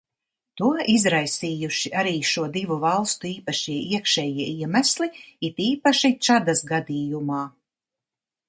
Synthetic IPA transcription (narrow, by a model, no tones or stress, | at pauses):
t̪uɔizɾajsiːjuʃiaɾiːʃuɔd̪ivuvalˠst̪uiːpaʃiɛiɛkʃɛːjiɛiɛmæsliit̪iːpaʃit͡ʃad̪asɡad̪iːjumaː